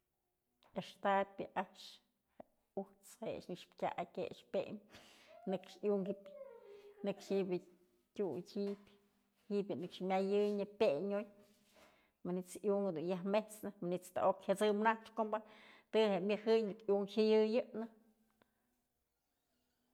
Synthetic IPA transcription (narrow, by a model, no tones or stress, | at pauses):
eʂt̪apʲɨʔaʂ | he | uht͡sheʔʂnɨkʂpkʲa̰ʔakʲeʂpʲemnɨkʂjuŋɡipʲ | nɨkʂibʲɨ | tʲujt͡ʃʲipʲ | hiʔbjɨnɨkʂmʲajɨjɲɨpʲeɲoj | mɨnit͡sʔjuŋd̪unjaɦmeht͡snɨmanist̪a̰ʔokhat͡sɨmnaʂkombat̪ɨhemʲɨhɨjnɨkjuŋhɨjɨjɨʔnɨ